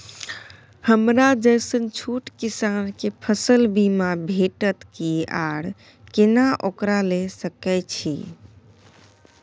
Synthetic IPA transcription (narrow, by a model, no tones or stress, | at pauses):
həmɾad͡ʒəjsənt͡ʃʰuʈkisankepʰəsəlbimabʱeʈət̪kiaɽ | kenaʔokɾalesəkɛt͡ʃʰḭ